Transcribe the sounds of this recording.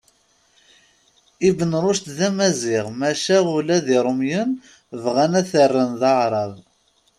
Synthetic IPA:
ibənɾˤʊʃt̪ðæmæzɪʁmæʃæʁulæðiɾˤəmjən | vʁænæθərːənðɑʕɾˤɑð

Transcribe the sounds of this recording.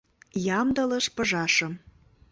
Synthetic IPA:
jɑmd̪ɤ̆lɤʃpɤ̆ʒɑʃɤ̆m

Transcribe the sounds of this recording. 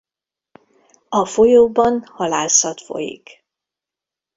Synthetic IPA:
ɒfo̞joːbɒnhɒlaːsɒt̪fo̞̰jḭk

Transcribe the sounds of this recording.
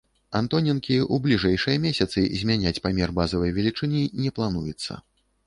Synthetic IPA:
ant̪ɔnʲɛnkʲiublʲiʐɛjʂɨjɐmʲesʲɐt̪sɨzʲmʲanʲat͡sʲpamʲɛrbazɐvɐjvʲɛlʲit͡ʂɨnʲinʲɛplˠanujɛt̪sːɐ̰

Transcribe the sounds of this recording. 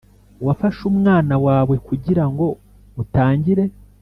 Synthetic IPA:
wafaʃumŋaːnawaːβwe̞kuɟiɾaŋɡo̞ | utaːɲɟiɾe̞

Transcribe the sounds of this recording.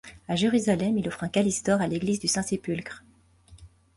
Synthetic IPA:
aʒeʁyzalɛmilɔfχɛ̃kalist̪ɔʁaleɡlizd̪ysɛ̃sepylkχ

